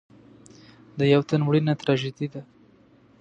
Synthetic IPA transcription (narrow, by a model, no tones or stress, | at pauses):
d̪əjawt̪anwɽinat̪ɾɑʒed̪id̪a